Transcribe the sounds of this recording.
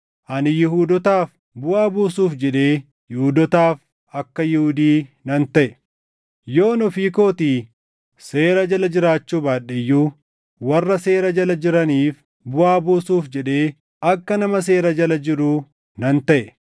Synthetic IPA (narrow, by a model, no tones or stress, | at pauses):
ʔɐnɪjɪɦuːd̪ɔt̪aːf | bʊʔaːbuːsuːfd͡ʒɛᶑe̞ː | jɪhʊd̪ɔt̪aːf | ɐkːɐjɪhʊd̪iːnɐnt̪ɐʔɛ | jo̞ːnɔfiːko̞ːt̪iː | se̞ːɾɐd͡ʒɐlɐd͡ʒɪɾaːt͡ʃːuːbaːᶑɛjːuː | wɐrːɐse̞ːɾɐd͡ʒɐlɐd͡ʒɪɾɐniːf | bʊʔaːbuːsuːfd͡ʒɛᶑe̞ː | ɐkːɐnɐmɐs̬e̞ːɾɐd͡ʒɐlɐd͡ʒɪɾuː | nɐnt̪ɐʔɛ